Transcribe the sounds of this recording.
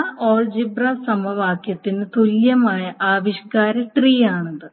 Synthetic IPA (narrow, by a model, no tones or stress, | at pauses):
ʔoːɭd͡ʑibraːsɐmɐʋaːkjɐt̪ːinɨt̪uljɐmaːjɐʔaːʋiɕkaːɾɐʈriːaːɳund̪ɨ